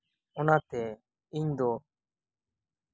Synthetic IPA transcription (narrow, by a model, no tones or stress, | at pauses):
ʊnãːt̪ɛː | iɲd̪oː